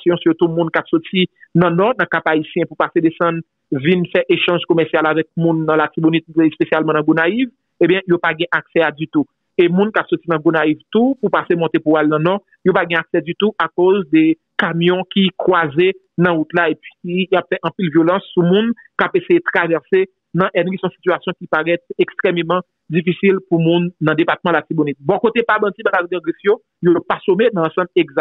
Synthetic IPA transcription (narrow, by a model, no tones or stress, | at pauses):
sjɔ̃sjot̪umũnkapsotinɐ̃nɔʁnɐ̃kapaisjɛ̃pupased̪esɐ̃n | vinfɛʔeʃɑ̃ʒkomɛʁsjalavɛk̚mũnːɐ̃lat̪ibonit̪̚spesjalmɑ̃nɐ̃ɡonaiv | ebjɛ̃jopaɡɛ̃ʔaksɛadyt̪u | emũnkapsotinɐ̃ɡonaivt̪upupasemɔ̃t̪epuwalnɐ̃nɔ | jopaɡɛ̃aksɛd̪yt̪uʔakozd̪e | kamjɔ̃kikwaze | nɐ̃ut̪laepɥiijapfɛʔɐ̃pilvjolɐ̃sːumũn | kapesejet̪ʁavɛʁse | nɐ̃ʔɛnisɔ̃si̥tyasjɔ̃kipaʁɛt̪ekst̪ʁemmʌ̃ | d͡zifisilpumũnːɐ̃d̪epat̪̚mãlasibonit̪̚bɔ̃kot̪epabɐ̃t͡sibaladɡãɡʁifjo | jopasomenɐ̃ːsɐ̃bleɡza